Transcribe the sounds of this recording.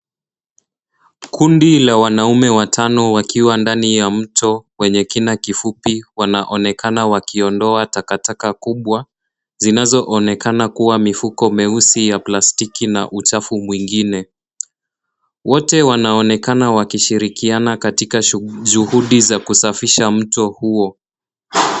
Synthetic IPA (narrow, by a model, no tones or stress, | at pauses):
kʰundilawanaumɛwatʰanɔwakiwandanijam̩tʰɔwɛɲɛkinakifupiwanaʔɔnɛkʰanawakiɔndɔatakatakakuɓwa | zinazɔʔɔnɛkʰanakuwamifukɔmɛusijaplastikina̰ʔut͡ʃafumwiŋɡinɛ | wɔtɛwanaɔnɛkanawakiʃiɾikianakatikaʄuhuɗizakusafiʃam̩tɔhuɔ